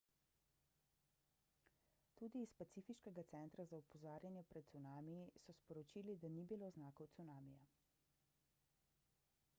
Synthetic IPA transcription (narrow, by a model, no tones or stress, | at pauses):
t̪uːd̪iːspat̪siːfiʃkɛɡat̪sɛnt̪ɾazaupɔzaːɾjanjɛpɾɛt̪t̪sunaːmijisɔspɔɾɔt͡ʃiːlid̪anibiloːznaːkɔwt̪sunaːmija